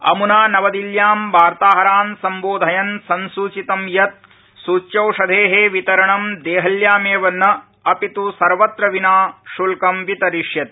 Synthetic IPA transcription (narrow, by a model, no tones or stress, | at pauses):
ɐ̰munaːnɐʋɐd̪iljaːmbʱaːɾt̪aːɦɐɾaːnsɐmboːd̪ʱɐjɐnsɐnsuːt͡ʃit̪ɐmjɐt̪̚ | suːt͡ʃɐwʂɐd̪ʱeːɦeːʋit̪ɐɾɐɳɐmd̪eːɦɐljaːmeːʋɐnːɐ | ɐpit̪usɐɾʋɐt̪ɾɐʋinaːʃulkɐmʋit̪ɐɾiʂjɐt̪